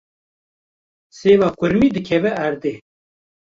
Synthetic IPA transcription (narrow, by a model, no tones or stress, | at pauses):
seːvaːkʷʊɾmiːd̪ɨkʰɛvɛʔæɾd̪eː